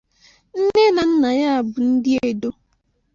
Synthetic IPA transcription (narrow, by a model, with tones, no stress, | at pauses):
n̩˦ne˦na˨n̩˦na˨ja˦a˨bʊ˨n̩˦dɪ˦e˨do˦